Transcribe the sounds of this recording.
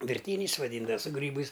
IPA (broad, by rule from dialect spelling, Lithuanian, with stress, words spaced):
ʋʲɪrʲˈtʲiːnʲɛɪs ʋɐˈdʲiːndɐw sʊ ˈɡrʲiːbɐɪs